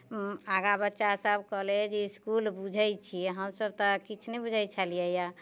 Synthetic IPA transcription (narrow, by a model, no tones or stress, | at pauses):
aɡabətːʃasəbkəɦled͡ʒeiskulbud͡ʒʱəjt͡ʃʰiɛɦəmsəb̚t̪ɔkit͡ʃʰnebud͡ʒʱajt͡ʃʰalijɛja